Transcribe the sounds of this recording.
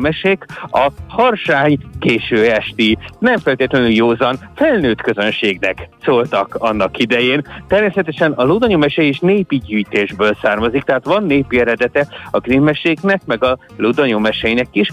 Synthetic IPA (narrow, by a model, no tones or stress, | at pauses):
mɛʃekɒhɒrʃaːɲkeːʃøːɛʃt̪inɛɱfɛlt̪eːt̪lɛnyljoːzɒnfɛlnøːt̪kø̞zø̞nʃeːɡnɛksoːlt̪ɒkɒnːɒkid̪ɛjeːnt̪ɛrmeːsɛt̪ɛʃɛnɒlod̪oɲomɛʃɛeːʃneːpiɟyːjt̪eːʒbøːlsaːrmɒzikt̪ɛɦaːt̪ʋɒnːeːpiɛɾɛd̪ɛt̪ɛɒɡrinmɛʃeːknɛkmɛɡɒlod̪oɲomɛʃɛjinɛkiʃ